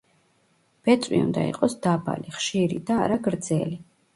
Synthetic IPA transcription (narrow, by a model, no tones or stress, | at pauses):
b̥ɛt̪sʼwḭund̪aḭqʼɔsd̪aba̰liχʃiɾḭd̪aɾaɡɾd̪zɛli